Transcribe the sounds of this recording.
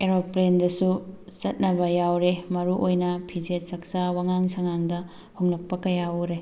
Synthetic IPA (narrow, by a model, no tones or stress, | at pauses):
eɾopːɾendɐsusɐt̚nɐbɐjawɾemɐɾuʔojnɐpʰid͡ʒet̚sɐk̚sawaŋaŋsɐŋaŋdɐ | hoŋnɐk̚pɐkɐjauɾe